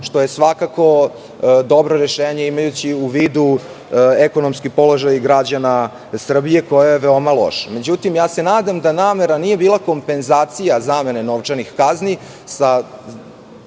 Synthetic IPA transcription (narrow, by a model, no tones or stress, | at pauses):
ʃt̪o̞je̞sʋakako̞ | d̪o̞bɾoɾeʃeːɲe̞imajut͡ɕiuʋiːd̪u | eko̞no̞mskipo̞lˠo̞ʒajɡɾad͡ʑana | sr̩bije̞ko̞jajeʋeomalˠo̞̰ʃame̞d͡ʑut̪imjaːse̞naːd̪amd̪anaːme̞ɾanije̞biːlˠako̞mpe̞nzaːt̪sijazame̞ne̞no̞ʋt͡ʂanixkazni | sa